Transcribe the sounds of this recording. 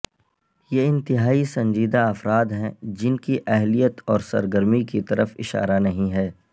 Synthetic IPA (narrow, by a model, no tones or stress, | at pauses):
jeːɪ̃nt̪ɪɦaːisɐ̃ɲd͡ʒiːd̪aɐfɾaːd̪ɦɛ̃d͡ʒɪnkiʔɛɦlijət̪ɔːɾsɐ̰ɾɡəɾmikit̪ɐɾəfɪ̰ʃa̰ːɾanɐɦĩɦɛː